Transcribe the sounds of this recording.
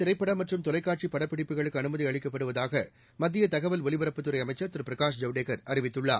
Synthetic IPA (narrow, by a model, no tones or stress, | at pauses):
t̪ɪɾɐɪpːɐɽɐmɐʈrɯmt̪ɔlɐɪkːaːʈ̚t͡ʃipɐɽɐpːɪɽɪpːɯɣɐɭɯkːɯɐnɯmɐðiɐɭɪkːɐpːɐɽɯʋɐðaːɣɐ | mɐd̪ːɪjɐt̪ɐɣɐʋɐlʋɔlɪʋɐɾɐpːɯt̪ːɯɾɐɪɐmɐɪt͡ʃːɐɾt̪ɪɾɯpɪɾɐkaːʂ̬d͡ʒɐʋɽeːkɐɾɐrɪʋɪt̪ːɯɭːa̰ː